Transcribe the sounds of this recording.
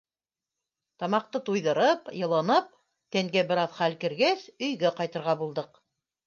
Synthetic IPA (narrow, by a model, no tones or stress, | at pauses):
t̪ɑmɑq̚t̪ɤt̪ujðɤ̆ɾɤpjɤ̆lˠɤ̆nɤp̚ | t̪æŋɡæbɘ̆ɾɑðχælkɘ̆ɾɡæsɵ̆jɡæqɑjt̪ɤ̆ɾʁɑbulˠd̪ɤq